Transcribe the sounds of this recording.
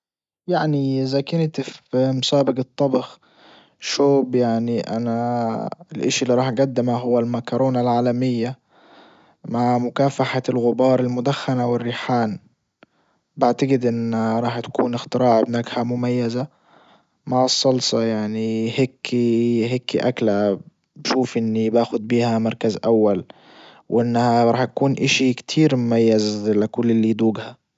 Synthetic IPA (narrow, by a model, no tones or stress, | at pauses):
jaʕniʔɪzakɪnt̪ɪfmʊsaːbɪqɨt̪ˤːɑbɑx | ʃoːbjaʕniʔa̰na | ɪlʔaʃilːiɾˤɑːħɡad̪ːɪmaɦʊwːalmakɑɾˤoːnalʕaːlamɪjːa | maʕmʊkaːfaħalɣʊbɑːɾˤɪlmʊd̪axːanawɪrːɪħaːn | baʕt̪aɡɪd̪ʔɪnːaɾˤɑːħt̪ḁkuːnɪxt̪ɪɾɑːʕɪbnaːkhamʊmajːaza | maʕɑsˤːɑlsˤɑjaʕniheːkʰːiɦeːkiʔakla | bʃuːfʔɪnːibaːxʊd̪̚biːhamɑɾˤkazʔawːal | wʔɪnːhaɾˤɑːħt̪akuːnʔaʃikt̪ʰiːɾmʊmajːazlɪkʊlːɪlːid̪uːɡha